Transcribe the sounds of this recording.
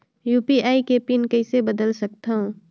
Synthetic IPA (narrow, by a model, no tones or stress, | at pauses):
juːpiaːikeːpinkɐɪsebəd̪əlsɐk̚t̪aɦũ